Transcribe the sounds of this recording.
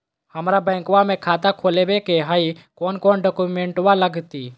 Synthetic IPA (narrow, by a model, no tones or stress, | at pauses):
həmɾabɛ̃ːŋkʋamẽkʰaːt̪akʰoːlebekeɦaikoːnkoːnɖoːkumẽɳʈʋaləɡt̪iː